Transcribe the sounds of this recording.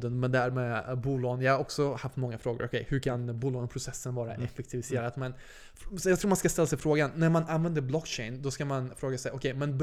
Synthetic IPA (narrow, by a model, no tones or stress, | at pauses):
d̪ənmɛnd̪æɾmebuːlɑːɡənjɑɡaɾɔksɔhaft̪mɔŋːafɾoːɡʊ̰ɾɔkʰɛjhɵɾkʰanbuːlɑːɡənpʰɾʊsɛsːənvɑːɾa̰ʔʔɛfɛkt̪ʰɪvɪseːɾat̪mɛn | sjɑɡt̪ɾuːmanskast̪ɛlːasɛjfɾoːɡanːæɾmananvɛnd̪əɾblɔkːɕɛɪnd̪ɔskamanfɾoːɡasɛjʔɔkʰɛjmɛnb